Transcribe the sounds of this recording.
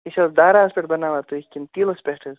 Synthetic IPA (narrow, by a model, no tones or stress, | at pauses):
iʃʲɐzd̪aːɾaːspʲeʈ̚bɐnaːʋaːt̪uikʲint̪iːlɐspʲeʈʰɐz